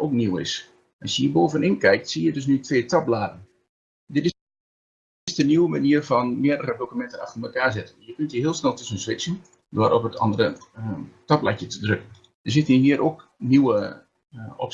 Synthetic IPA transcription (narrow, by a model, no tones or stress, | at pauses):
oːkniwɪ̰s | ʔɑsjəjiboːvənɪnkɛjk̚tsijədøs̬nytʰʋeːtʰaplaːdən | dɪtɪ | sdəniwəmaniərfɔnmɪədərədokymɛntənaxfənməkaːrzɪtənjəkøntjəɦiəlˠsnɛlˠtøsənsʋɪt͡sən | dʊərʔɔpətʰɑ̰ndərə | tapla̰tjətədrøkən | dəs̬ɪtən̩jəɦiəɾʔok | niwə | ɔ̰p